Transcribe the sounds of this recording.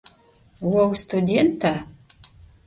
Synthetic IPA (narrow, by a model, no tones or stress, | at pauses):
wɔwst̪ʰudʲent̪ʰa